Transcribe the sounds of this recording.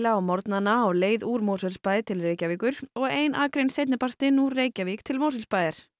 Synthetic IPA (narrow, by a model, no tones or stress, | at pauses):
laawmɔɾt̪nanaːwleːjðuːɾmowsɛlspaːjðɪt̪ʰɪlreːjcaviːkʏɾ̥ɔɣeːjnʔaːkɾejnsejt̪nɪpar̥t̪ɪnuɾːeːjcaviːk̚t̪ʰɪlmows̬ɪlspaːjðɪɾ̥